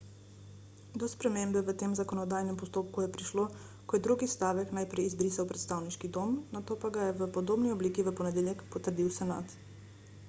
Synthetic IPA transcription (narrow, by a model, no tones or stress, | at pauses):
d̪ɔspɾɛmembɛʋət̪eːmzakɔnɔd̪ajnɛmpɔst̪oːp̚kujɛpɾiʃlo | kɔjɛd̪ɾuːɡist̪aːʋɛknajpɾɛjizbɾisawpɾɛt̪st̪aːwniʃkid̪oːmnat̪oːpaɡajɛʋəpɔd̪oːbniɔbliːkiʋəpɔnɛd̪eːljɛkpɔt̪əɾd̪iwsɛnaːt̪